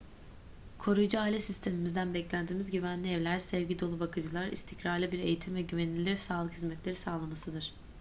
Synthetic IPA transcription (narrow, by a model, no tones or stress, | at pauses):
kʰo̞ɾujd͡ʒɯaːlʲɛsist̪ʰe̞mimizd̪ænbɛclʲænd̪iːmizɟyvænlʲiɛvlʲæɾsɛvɟid̪olˠubakʰɯd͡ʒɯlˠaɾḭst̪ʰicɾaɾlʲˠɯbiɾe̞jit̪ʰimvɛɟyvɛnilʲilʲiɾsaːlˠɯkhizmɛt̪lʲe̞ɾisaːlˠamasɯd̪ɯɾ̥